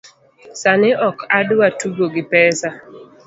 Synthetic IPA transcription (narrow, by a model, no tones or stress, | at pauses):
sanɪʔɔkʰadʊwatuɡoɡɪpɛsa